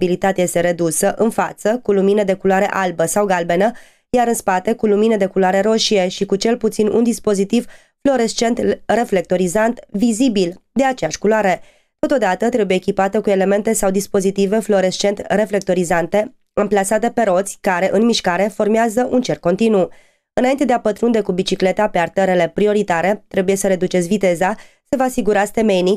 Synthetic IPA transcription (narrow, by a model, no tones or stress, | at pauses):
bilit̪at̪eje̞st̪e̞ɾe̞d̪usəʔɨnfat̪səkuluminəd̪e̞kulowaɾe̞ʔalbəsawɡalbe̞nə | jaɾɨnspat̪e̞kulumined̪e̞kuloaɾe̞ɾo̞ʃie̞ʃikut͡ʃe̞lput̪sinund̪ispo̞zit̪iv | flo̞ɾest͡ʃe̞nt̪re̞fle̞k̚t̪o̞ɾizant̪vizibild̪e̞at͡ʃejaʃkuloaɾe̞ | t̪o̞t̪o̞d̪at̪ət̪ɾe̞buje̞ːkʲipat̪əkue̞le̞me̞nt̪e̞sawd̪ispo̞zit̪ive̞flo̞ɾe̞st͡ʃe̞nt̪re̞fle̞k̚t̪o̞ɾizant̪e̞ | ɨmplasat̪e̞pe̞ɾo̞t̪sʲkaɾe̞ʔɨnmiʃkaɾe̞fo̞rmeazəʔunt͡ʃe̞rkːo̞nt̪inu | ɨnaint̪e̞d̪eapət̪ɾund̪e̞kubit͡ʃikle̞t̪ape̞art̪əɾele̞pɾio̞ɾit̪aɾe̞t̪ɾe̞buje̞səɾe̞d̪ut͡ʃesʲvit̪e̞za | se̞vaːsiɡuɾast̪e̞me̞jni